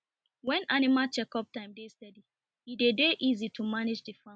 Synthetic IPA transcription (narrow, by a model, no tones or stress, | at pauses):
wɛ̃nanimat͡ʃɛkɔp̚tãɪ̃mdestɛdi | idedeʔizitʰumanid͡ʒdifã